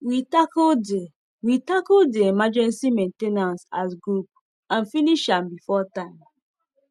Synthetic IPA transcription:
witakɔlde | witakɔldeemad͡ʒɛ̃nsimẽntenãnsasɡɹup̚ | ãnfiniʃãmbifɔtãɪ̃m

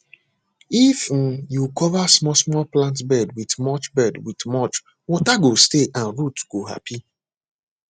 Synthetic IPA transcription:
if̩jukɔvasmɔsmɔplãntbɛdwidmɔt͡ʃbɛdwitmɔt͡ʃ | wɔtaɡosteʔãnɹutɡ̥oɦa̰pʰi

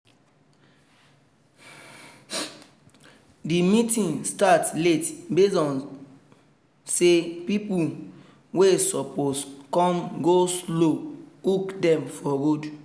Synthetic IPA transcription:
dimitĩnstatletbesɔ̃n | sepipu | wesɔposkɔ̃mɡosloukdɛ̃mfɔɾod

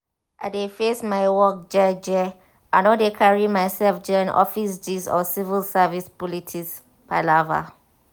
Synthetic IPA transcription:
ʔaɪdefesmaɪwɔk̚d͡ʒɛd͡ʒɛ | ʔãnɔdekʰaɹimaɪsɛlfd͡ʒɛãnɔ̰fisd͡ʒisɔ̰sivəlsavispɔlitʰis | paɪlava̰

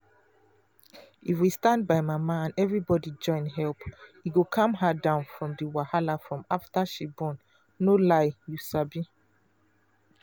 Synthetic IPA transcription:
ifwistãndbaɪmamaãnɛvɹibɔdid͡ʒɔ̃ɪ̃nɦɛlphiɡokʰãmɦadãʊ̃nfɹɔ̃mdiwahalafɹɔ̃maftaʃibɔ̃nː | olaɪjusabi

